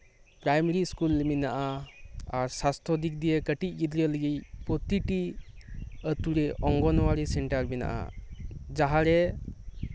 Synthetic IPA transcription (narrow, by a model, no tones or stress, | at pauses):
pɾajmeɾiskulminaʔaaɾsast̪ʰɾɔd̪ik̚d̪ijekəʈic̚ˀɡid̪ɾələɡijpɔt̪iʈi | ət̪uɾɛʔɔŋɡɔnɔwaɾisɛɳʈaɾmina̰ʔa̰d͡ʒaɦaɾɛ